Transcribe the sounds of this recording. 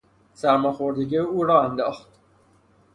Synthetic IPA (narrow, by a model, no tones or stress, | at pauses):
sæɾmɒxoɾd̪eɡiuːɾɒːænd̪ɒːxt̪